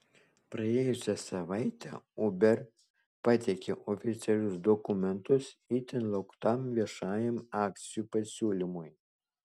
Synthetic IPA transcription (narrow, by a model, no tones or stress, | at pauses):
pɾɐeːjʊsʲɛsɐʋɑɪt̪ʲɛ̰ubʲɛɾ | pɑt̪ʲekʲeʔofʲɪt̪sʲɛlʲʊsd̪ɔkʊmʲɛnt̪ʊsiːt̪ʲɪnlˠɐʊkt̪ɑmʋʲiɛʃɑːjɛmɑːk̚t̪sʲɪjupɐsʲuːlʲɪmʊj